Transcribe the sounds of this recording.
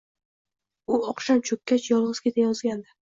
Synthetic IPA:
ʊɒqʃamt͡ʃʰɵkʲːat͡ʃjɒlˠʁɨz̥kʲet̪ʰajɒzɡʲand̪ɪ

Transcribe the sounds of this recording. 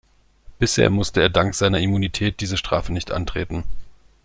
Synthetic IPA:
b̥ɪshḛːɐmʊstəeːɐdaŋkz̥aɪnɐimunitʰɛːt̚d̥iːzəʃtʁ̥a̰ːfənɪçtʔa̰ntʁ̥ḛːtn̩

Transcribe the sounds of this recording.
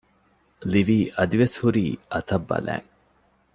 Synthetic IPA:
liʋiːʔɐd̪iʋeshuɾiːʔɐt̪ɐbːɐ̰læ̰ːŋ

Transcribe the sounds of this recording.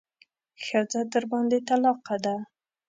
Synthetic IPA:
xad͡ʒad̪əɾbɑnd̪et̪alɑqad̪a

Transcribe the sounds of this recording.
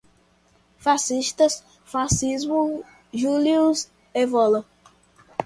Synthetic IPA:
fasiʃt̪ɐs | fasizmu | ʒulius | evɔlɐ

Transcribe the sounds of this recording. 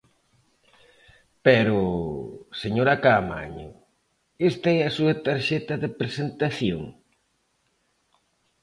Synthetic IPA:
pɛɾʊ | seɲoɾakama̰ɲʊ̰ | est̪ɐɛɐsuɐt̪aɾʃɛt̪ɐðepɾesent̪aθjo̰ŋ

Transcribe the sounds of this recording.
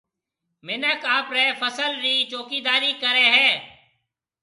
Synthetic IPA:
mɪnəkaːpɾeːfʰəsəlɾiːt͡ʃoːkiːd̪aːɾiːkəɾeːɦɛː

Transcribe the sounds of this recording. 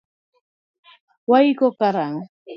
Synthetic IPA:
wajɢokaɾaŋ

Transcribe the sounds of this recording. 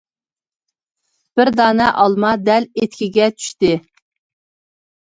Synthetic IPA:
b̥ɪɾd̪ɑːnɛʔɑlˠmɑd̪ɛlet̪kʲʰiɡʲɛt͡ʃʰy̥ʃt̪ɪ

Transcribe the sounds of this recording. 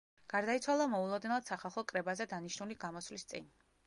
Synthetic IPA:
ɡ̥aɾd̪ait̪sʰwalˠamɔulˠɔd̪nɛlˠad̪̥saχalˠχɔkʼɾɛbazɛd̪aniʃnuliɡamɔslist̪sʼḭn

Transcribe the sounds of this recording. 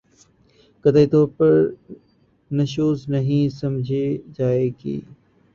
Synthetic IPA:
kəd̪eit̪oːpɐɾ | nɐʃoːznɐɦĩːsɐmd͡ʒʱeːd͡ʒaːeːɡḭː

